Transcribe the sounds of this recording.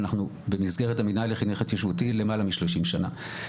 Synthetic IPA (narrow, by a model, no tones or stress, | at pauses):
naχnu | be̞mizɡe̞ʁetaminajleχinuχatjoʃvutile̞malamiʃloʃimʃana̰